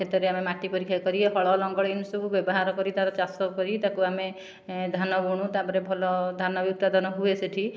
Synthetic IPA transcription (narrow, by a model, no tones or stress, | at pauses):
et̪ɔɾeamemaʈipɔɾikʰjakɔɾiɦɔɭɔlɔŋɡɔɽinusɔkubjɔbɔɦaɾɔkɔɾit̪aɾɔt͡ʃasɔkkɔɾit̪akuame | d̪ʱanɔbuɽ̃ut̪abɔɾebʱɔlɔd̪ʱanɔbjuk̚t̪ad̪ʱɔnɔɦueseʈʰi